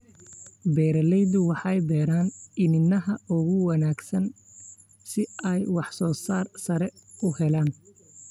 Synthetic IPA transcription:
bɛːɾɐlɛjðʊwɑħɑjbɛːɾaːnɪnɪnɐɦɐʔʊɣʊwɑnaːɡsɐn | sɪɛjwɑħsɔːsaːrsɐɾɛʊhɛlaːn

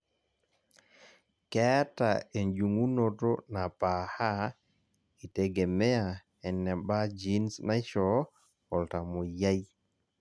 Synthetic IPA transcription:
kɛtaɛnd͡ʒuŋunɔtɔnapaha | itɛɡɛmɛja | ɛnːɛbad͡ʒinsnajt͡ʃɔ | hɔltamɔjaj

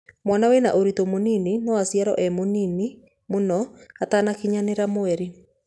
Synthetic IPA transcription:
mwanawena̰ʔoɾitomonininɔwasjaɾɔ̰ʔɛmonini | monɔatanakiɲaneɾamoɛɾe

